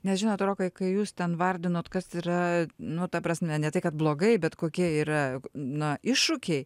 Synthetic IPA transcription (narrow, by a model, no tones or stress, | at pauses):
nʲɛsʒʲɪnoːt̪ɾoːkɐɪkɐɪjuːst̪ʲɛnʋɐɾʲd̪ʲɪnoːt̪kɐsiːɾɐnʊt̪ɐpɾɐsʲmʲɛnʲɛt̪ɐɪkɐt̪̚blˠoːɡɐɪbʲɛt̪koːkʲiɛiːɾɐnɐɪʃʊkʲɛɪ